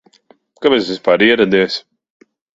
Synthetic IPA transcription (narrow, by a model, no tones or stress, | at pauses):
kamɛsvispaːɾiɛɾad̪iɛs